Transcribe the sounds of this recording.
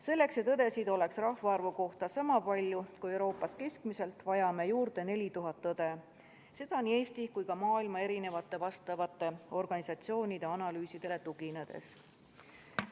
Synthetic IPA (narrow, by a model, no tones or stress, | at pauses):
se̞lːe̞kset̪ːɤd̪e̞sid̪o̞le̞ksrɑhvɑɑrvuko̞ht̪ɑsɑmɑpɑlʲjukue̞wɾo̞ːpːˑɑske̞skmise̞lt̪ːˑvɑjɑme̞juːrd̪̥e̞ne̞lʲit̪uɦɑt̪ːɤd̪̥e̞ | se̞d̪̥ɑnie̞ːst̪ikujkɑmɑːilmɑe̞ɾine̞vɑt̪ːˑe̞vɑst̪ɑvɑt̪ˑːe̞o̞rɡ̥ɑnisɑt̪sio̞ːnʲid̪̥e̞ɑnɑlyːsid̪̥e̞le̞t̪uɡ̥ined̪̥e̞̰s